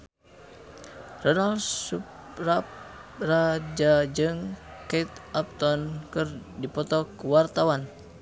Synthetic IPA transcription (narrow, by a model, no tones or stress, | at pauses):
rɔnalsup | raprad͡ʒad͡ʒɨŋkait̪ʔap̚t̪ɔnkɨrdipɔt̪ɔkəwart̪awan